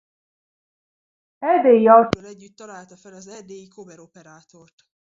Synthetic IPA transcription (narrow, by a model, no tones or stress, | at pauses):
ɛd̪eːjiɒt̪øːlɛɟːyt̪ːɒlaːlt̪ɒfɛlɒzɛd̪eːjikʰobɛɾo̞pɛɾaːt̪o̞rt̪